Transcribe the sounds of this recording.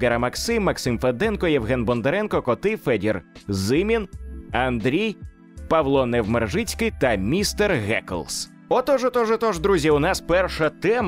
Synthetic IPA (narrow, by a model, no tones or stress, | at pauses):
ɡɛɾɐmɐksɪmːɐksɪmfɛd̪ɛnkɔjɛʋɦɛnbɔnd̪eɾɛnkɔkɔt̪ɪfɛdʲirzɪmʲinɐnd̪ɾʲij | pɐʋlˠɔnɛʋmerʒɪt͡sʲkɪt̪ɐmʲist̪ɛrɣɛ̰kɔ̰lˠs | ɔt̪ɔʒɔt̪ɔʒɔt̪ɔʒd̪ɾuzʲiʊnɑspɛrʃɐt̪ɛm